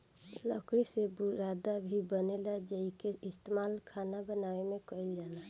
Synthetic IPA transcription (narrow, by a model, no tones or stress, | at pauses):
ləkɾisebuɾad̪abʱibənelad͡ʒəikeɪst̪emalkʰanabənawemekəɪld͡ʒana